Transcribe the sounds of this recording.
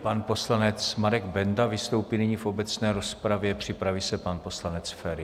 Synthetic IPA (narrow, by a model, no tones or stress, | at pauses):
panpo̞slanɛt͡smaɾɛɡbɛndavɪst̪o̞wpiːnɪɲifʔo̞bɛt͡snɛːɾo̞spɾavjɛpr̝̥ɪpɾavisɛpanpo̞slanɛt͡sfɛɾɪ